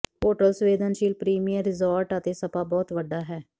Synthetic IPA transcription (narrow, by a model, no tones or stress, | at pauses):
poːʈəlsʋeːd̪ənʃiːlpɾiːmijəɾːɪzaːɾʈət̪eːsəpaːbɔːt̪ʋəɖːaːɦɛː